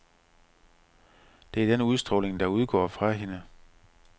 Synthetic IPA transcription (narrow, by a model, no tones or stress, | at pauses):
d̥e̝æɐd̥enəuðˠsd̥ʁɔ̽ːleŋd̥ɑ̈uð̞ˠɡ̥ɒ̰ːfʁɑ̈ɦe̝nə